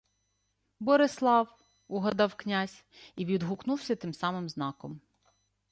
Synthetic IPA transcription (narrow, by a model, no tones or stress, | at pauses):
bɔɾɪslˠɑw | uɦɐd̪ɑwknʲazʲ | iʋʲid̪ɦuknuwsʲɐt̪ɪmsɑmɪmznɑkɔm